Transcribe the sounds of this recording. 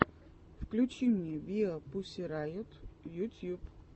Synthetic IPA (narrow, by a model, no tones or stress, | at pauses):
fklʲʊt͡ɕimnʲɛvʲiɔpʊsʲɪɾajʊt̪jut̪ʲjup